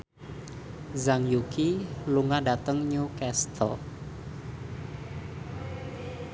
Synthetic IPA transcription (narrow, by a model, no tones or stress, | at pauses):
zaŋjukiluŋadat̪əŋɲukɛst̪ʰɔ̰